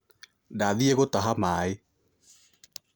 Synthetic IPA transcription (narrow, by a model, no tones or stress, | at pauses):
daːðiɛɣotaɦamaːe